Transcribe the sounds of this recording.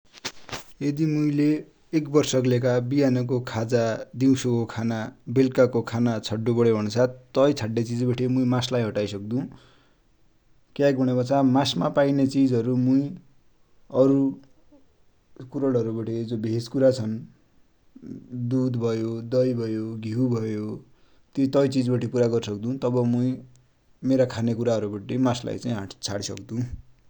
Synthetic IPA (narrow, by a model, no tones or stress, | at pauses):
ed̪imuĩleː | kbʌrsʌklek̬abijanʌk̬okʰad͡zad̪iw̃sokokʰanabelkakokʰanat͡sʰʌɖːobʌɽebʱʌnsʰat̪ʌjt͡sʰaɖːet͡sid͡zbʌʈʰimuj̃maslajɦʌʈajsʌk̚d̪ũ | kjakɡbʌɽ̃ebʌt͡samasmapajnet͡sid͡zʌɾumuj | ʌɾu | kuɾʌɽʌɾubaʈʰid͡zobʱeskuɾat͡sʰʌn | d̪ud̪bʱʌjod̪ʌjbʱʌjoɡʱiwbʱʌjo | t̪jot̪ʌjt͡sid͡zbaʈʰipuɾaɡʌrsʌk̚d̪ũt̪ʌbʌmuĩ | meɾakʰanekuɾaɦʌɾubaʈimasla̰jt͡saĩɦaʈt͡sʰaɽisʌ̰kd̪ũ